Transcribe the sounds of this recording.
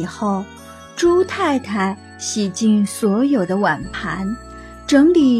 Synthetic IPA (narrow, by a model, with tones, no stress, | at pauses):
xo˥˩ʊ | ʈ͡ʂu˥t̪ʰa˥˧ɪt̪ʰa˧˥ɪ | ɕi˨˩t͡ɕi˥˩nswɔ˧˥jo˨˩ʊd̪ə˦wa˨˩npʰa˧˥n | ʈ͡ʂɤ˧˥ŋli˨˩